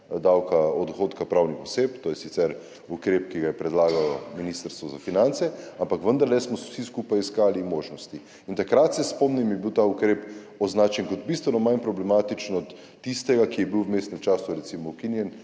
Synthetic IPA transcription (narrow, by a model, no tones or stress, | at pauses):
d̪awkaɔd̪ɔxot̪kapɾawnixɔsept̪oːjɛsit̪sɛɾ | ukɾepkiɡajɛpɾɛd̪laːɡalɔminist̪əɾst̪ʋɔzafinant̪sɛampakʋənd̪aɾlɛsmɔsiskupajiskaːlimoːʒnɔst̪i | int̪akɾat̪sɛspɔmnimjɛbiwt̪aukɾeːp | ɔznaːt͡ʃjɛnkɔd̪t̪̚bist̪ʋɛnɔmajnpɾɔblɛmaːt̪it͡ʃnɔt̪ː | ist̪ɛɡakijɛbiwwmeːst̪nɛmt͡ʃaːsuɾɛt̪simɔwkinjɛn